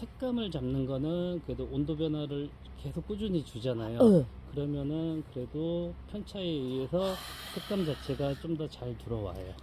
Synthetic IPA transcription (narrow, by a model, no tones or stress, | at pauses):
tʰe̞k̚k͈amɯɭt͡ɕamnɯnɡʌnɯnnkɯɾedoondobjʌnwaɾɯɭ | ke̞sʰok͈ud͡ʑuɲit͡ɕud͡ʑanajokɯɾʌmjʌnɯnkɯɾe̞dopʰjʌnt͡ɕʰaeie̞sʰʌtʰek̚k͈amd͡ʑat͡ɕʰe̞ɡat͡ɕ͈omdʌt͡ɕaɭtuɾʌwa̰jo